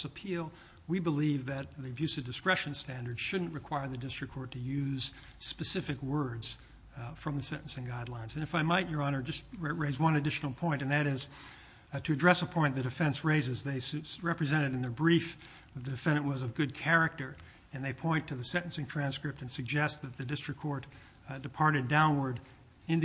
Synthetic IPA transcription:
səpʰilˠ | wibəlivðɨt̪̚ðiɨbjʉsʌvdɨskɹɛʃɨ̃n̩stæ̃ndə˞dz̥ʃʊdⁿn̩ʔ̚ɹɨkʰw̥aɪə˞ðɨdɪstɹ̥ɨkʰːɔɹtʰɨjʉz̥ | spɨsɪfɨkwɜ˞dz̥ | fɹʌ̃mðɨsɛ̃ɾ̃ʔn̩sɨ̃ŋɡaɪdˡlãɪ̃nzɨ̃nɨfaɪmaɪt͡ʃə˞ɑnə˞d͡ʒʌst̚ɹeɪzwʌ̃nɨdɪʃn̩l̩ˠpʰɔ̃ɪ̃nɨ̃nðɨɾɪz̥ | tʰɨɨdɹɛsəpʰɔ̃ɪ̃nðɨdɨfɛ̃nsɹeɪzɨzðeɪsɹɛpɹɨzɛ̃ɾ̃ɨɾɨ̃n̩ðə˞bɹif | ðɨt̪̚ðɨdɨfɛ̃ndɨ̃nʔwʌzʌvɡʊd̚kʰɛɹɨk̚tə˞ | ɨ̃nðeɪpʰɔ̃ɪ̃ntʰɨðɨsɛ̃ɾ̃ʔn̩sɨ̃ŋtʰɹ̥æ̃nskɹɪp̚tɨ̃nsɨɡ̚d͡ʒɛst̪̚ðɨt̪̚ðɨdɪstɹ̥ɨkʰːɔɹt | dɨpʰɑɹɾɨdãʊ̃nwə˞ɾ | ɨ̃nð

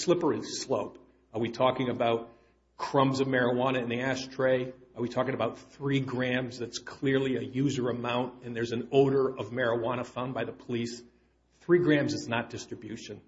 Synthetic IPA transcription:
slɪpə˞ɨz̥sloʊp | ə˞witʰɔkɪ̃ŋɨbaʊt̚ | kʰɹ̥ʌ̃mzʌvmɛɹəwɑñɨɨ̃nðiæʃtʰɹ̥eɪə˞witʰɔkɪ̃ŋɨbaʊt̪̚θɹiɡɹæ̃mzðɨtskʰl̥ɪɹlˠiɨjʉzə˞ɨmãʊ̃ntɨ̃nðə˞zɨ̃noʊɾə˞ʔʌvmɛɹəwɑɾ̃əfãʊ̃nbaɪðəpʰəlis | θɹiɡɹæ̃mzɨznət̚d̥ɪstɹ̥ɨbjʉʃɨ̃n

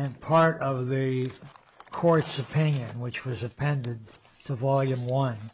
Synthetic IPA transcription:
ɨ̃npʰɑɹɾʌvðɨ | kʰɔɹtsɨpʰɪ̃njɨ̃nwɨt͡ʃwʌzɨpʰɛ̃ndɨ̃d | tʰəvɑlˠjɨ̃mwʌ̃n

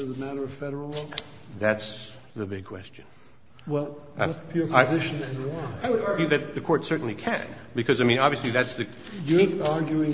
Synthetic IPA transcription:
ʌzəmæɾə˞ʌv̥fɛɾə˞l̩ˠlok | ðæts | ðɨbɪɡ̚kʰw̥ɛ̰st͡ʃɨ̃n | wɛlˠʌpʰjʊɹaɪzɪʃnɛvəɑ̃aɪwɨɾɑɹɡjʉðɨt̪̚ðɨkʰɔɹtsɜ˞ʔn̩likʰɨ̰̃nbɨkʰʌzaɪmĩñɑbviɨsliðætsðɨ | jəɑɹɡjʉɪ̃ŋ

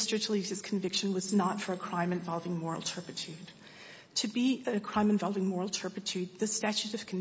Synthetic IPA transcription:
stɹ̥ɨt͡ʃʰəl̩ˠizɨz̥kʰɱvɪkʃɨ̃n̩wʌznətfə˞ɨkʰɹ̥ãɪ̃mɨ̃nvɑlˠvɪ̃ŋmɔɹə̰l̩ˠtʰɜ˞pɨtʰʉd̥ | tʰɨbiʔɨɨkʰɹ̥ãɪ̃mɨ̃nvɑlˠvɪ̃ŋmɔɹl̩ˠtʰɜ˞pɨtʰʉd̪̚ðɨstæt͡ʃʉɾʌv̥kʰn

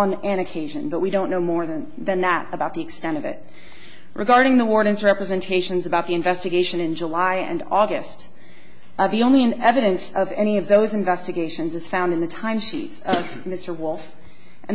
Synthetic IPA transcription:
ə̃nɨ̃ñɨkʰeɪʒɨ̰̃nbʌʔ̚widõʊ̃nːoʊmɔɹð | ðɨ̃nðəɾəbaʊt̪̚ðiɨkstɛ̃ɾ̃ʌvɪ̰t̚ | ɹʔɨɡɑɹɾɪ̃ŋðiwɔɹɾn̩zɹɛpɹɨzɨ̃ntʰeɪʃɨ̃nzɨbaʊt̪̚ðiɨ̃ɱvɛstɨɡeɪʃɨ̃nɨ̃nd͡ʒəlaɪɨ̰̃nɔɡɨst | ðiõʊ̃nliɨ̃nɛvɨɾɨ̃nsʌvɛɾ̃iʌvðoʊzɨ̃ɱvɛstɨɡeɪʃɨ̃nzɨz̥fãʊ̃ndɨ̃nðɨtʰãɪ̃mʃḭtsʌv | mɪstə˞wʊlˠf | ʔɨ̃n

